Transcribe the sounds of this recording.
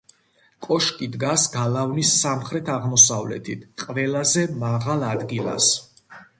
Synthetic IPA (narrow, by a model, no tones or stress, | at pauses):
kʼɔʃkʼid̪ɡasɡalˠavnisːamχɾɛt̪ʰaʁmɔsavlɛ̰t̪ʰit̪ʰqʼvɛlˠazɛmaʁalˠad̪ɡilˠa̰s